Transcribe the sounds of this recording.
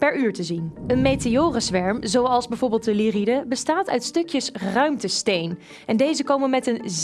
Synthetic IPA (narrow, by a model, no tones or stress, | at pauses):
pɛɹyːɹtəzinənmejteoːrəsʋɛɹmzowɑlˠzbɛjvʊːɹbɪːlˠt̚dəliridəbəstaːtœɥtstɵkjəsrœɥmtəstejn | ɛndejzəkowmənmɛtən